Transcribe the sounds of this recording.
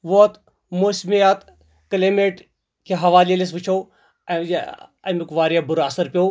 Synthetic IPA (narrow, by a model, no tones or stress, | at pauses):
ʋot̪ | moːsmijat̪ | kɐleːmeʈ | kʰeɦɐʋaːlilis̬ʋɪt͡ʃʰoː | ɐmukʋaːɾijabʊɾɐsɐɾpijoː